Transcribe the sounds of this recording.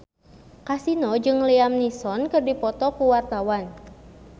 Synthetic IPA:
kasinɔd͡ʒɨŋliamnisɔnkɨrdipɔt̪ɔkuwart̪awan

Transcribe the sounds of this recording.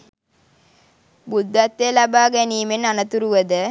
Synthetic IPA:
bud̪ʱːɐt̪ːelɐbaːɡɐniːmenanɐt̪uɾuʋɐd̪ə

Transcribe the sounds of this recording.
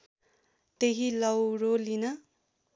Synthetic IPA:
t̪eɦilʌwrolinʌ

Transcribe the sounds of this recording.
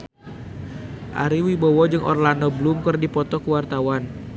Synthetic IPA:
ʔa̰ɾiwibɔwɔd͡ʒɨŋʔɔ̰rlandɔblumkɨrdipɔt̪ɔkəwart̪awan

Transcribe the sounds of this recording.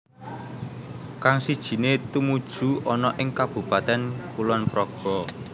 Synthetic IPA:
kaŋsid̥ʒ̥i̤net̪umud̥ʒ̥ṳɔnɔʔɪŋkab̥ṳpat̪ɛnkulɔnpɾɔɡ̥ɔ

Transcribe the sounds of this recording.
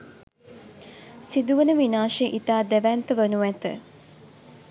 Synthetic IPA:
sid̪uʋənəʋinaːʃeʔit̪aːd̪eʋænt̪əʋənuʋæt̪ə̰

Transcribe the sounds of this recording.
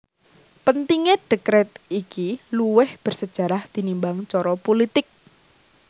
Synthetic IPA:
pənt̪iŋeɖ̥əkɾɛt̪̚ikiluwɪhb̥ə̤rsəd̥ʒ̥a̤ɾahd̪̥i̤nimbaŋt͡ʃɔɾɔpolit̪ɪk̚

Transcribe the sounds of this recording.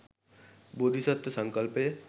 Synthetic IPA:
bod̪ʱisət̪ːsə̃ŋkəlpe

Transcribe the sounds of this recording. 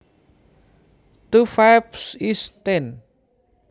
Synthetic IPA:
t̪ufajpsist̪en

